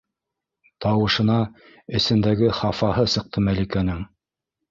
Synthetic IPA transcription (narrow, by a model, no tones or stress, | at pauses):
t̪ɑwɤ̆ʃɤ̆nɑ | ɘ̆sɘ̆nd̪æɡɘχɑfɑhɤsɤ̆q̚t̪ʰɤmælikænɘŋ